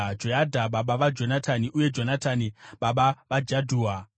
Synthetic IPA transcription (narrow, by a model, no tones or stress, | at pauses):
d͡ʒojadʱaɓaɓaʋad͡ʒo̞natʰaniʔuje̞d͡ʒo̞nataniɓaɓaʋad͡ʒadʱuːa